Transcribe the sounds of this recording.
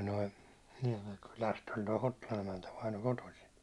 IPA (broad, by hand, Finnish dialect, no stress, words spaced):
noi niɛmeŋkylæsthæn toi hotːolɑn emæntæ ʋɑino kotosin